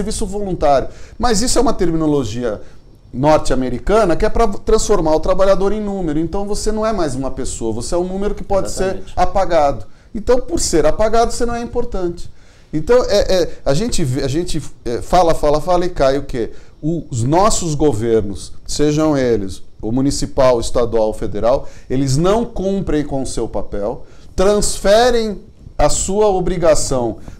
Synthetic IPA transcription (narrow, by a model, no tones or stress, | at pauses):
eɾvisʊvolũnt̪aɾjʊmɐzisʊɛũmɐt̪eɾminoloʒiɐ̰ | nɔɾt͡ʃɪameɾikɐ̃nɐkɪɛpɾɐt̪ɾɐ̃sfoɾmaɾʊt̪ɾabaʎad̪oɾẽj̃nũmeɾʊẽnt̪ɐ̃w̃vosenɐ̃w̃ɛmajzũmɐpesoɐvoseɛũnũmeɾʊkɪ̥pɔd͡ʒɪseɾapaɡad̪ʊ | ẽnt̪ɐ̃w̃poɾseɾapaɡad̪ʊsenɐ̃w̃ɛĩpoɾt̪ɐ̃t͡ʃɪ̥ | ẽt̪ɐ̃w̃ɛʔɛaʒẽnt͡ʃɪveaʒẽnt͡ʃɪɛfalɐfalɐfalɪkajʊkeʊznɔsʊzɡoveɾnʊsːeʒɐ̃w̃elɪsomunisipawɪst̪ad̪uawfed̪eɾawelɪznɐ̃w̃kõmpɾẽj̃kõʊsewpapɛw | t̪ɾɐ̃sfɛɾẽj̃ | ɐsuɐobɾiɡasɐ̃w̃